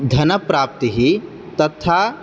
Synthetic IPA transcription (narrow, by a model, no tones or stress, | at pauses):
d̪ʱɐnɐpɾaːp̚t̪əɦi | t̪ɐt̪ʰa